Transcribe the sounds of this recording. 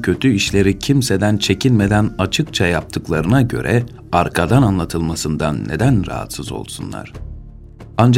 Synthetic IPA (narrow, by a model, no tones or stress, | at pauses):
cʰø̞t̪ʰyiʃlʲe̞ɾicʰimse̞d̪ænt͡ʃʰe̞cʰilʲme̞d̪ænat͡ʃʰɯkt͡ʃʰajap̚t̪ʰɯklˠaɾɯnaɟø̞̰ɾʔɛ | aɾkʰad̪ananlˠat̪ʰɯlˠmasɯnd̪anːe̞d̪ænɾa̰ɦa̰t̪sɯzo̞̰lˠsunlˠa̰ɾ̥ | and͡ʒ